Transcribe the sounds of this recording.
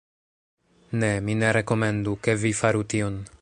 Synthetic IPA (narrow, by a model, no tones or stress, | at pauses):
ne̞mine̞ɾe̞ko̞me̞nduke̞vifaɾution